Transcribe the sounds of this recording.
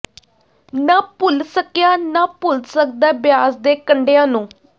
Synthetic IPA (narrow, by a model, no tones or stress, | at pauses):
naːpʊlsəkjaːnaːpʊlsək̚d̪aːbjaːsd̪eːkəɳɖeãːnũː